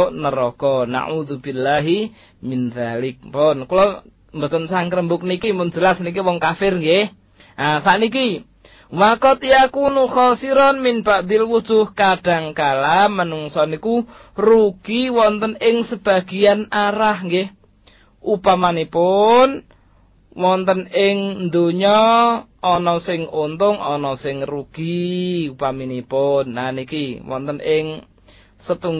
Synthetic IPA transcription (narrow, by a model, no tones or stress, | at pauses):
ʔnəɾɔɡ̥ɔna̰ʕuðubilːaɦi | mɪnðalɪk̚pɔnkulɔ | mbət̪ənsaŋkɾəmbʊk̚nikimʊnd͡ʒəlasnik̬iwɔŋkafɪrŋɡeh | ʔasaʔniki | wakɔt̪ijakunuxɔsiɾɔnmɪnb̥aʔd̪ilwu̥d͡ʒʊhkaɖ̥a̤ŋkalamənuŋsɔniku | ruɡ̥iwɔnt̪ənɪŋsəb̥a̤ɡ̥ianaɾahŋɡeh | ʔupamanipʊn | wɔnt̪ənɪŋnd̪oɲɔː | nɔsɪŋont̪ʊŋɔnɔsɪŋruɡ̥iupaminipʊnːanikiwɔ̰nt̪ənɪŋ | sət̪uŋ